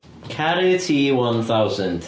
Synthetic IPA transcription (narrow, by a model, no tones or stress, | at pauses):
kʰaɾitʰiwʌ̃nθawzə̃nd̥